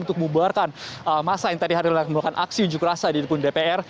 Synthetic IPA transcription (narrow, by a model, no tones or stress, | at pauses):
unt̪ʊk̚mubarkanəmasajaŋt̪adiɦaɾakmulakanʔa̰ksiuɲd͡ʒukɾasadiɾipʊndepeɛr